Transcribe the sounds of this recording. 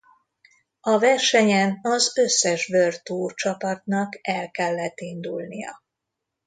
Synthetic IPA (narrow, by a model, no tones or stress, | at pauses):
ɒvɛrʃɛɲɛnɒzø̞sːɛʒbørt̪oːt͡ʃɒpɒt̪nɒkɛlkɛlːɛt̪ind̪ulnijɒ̰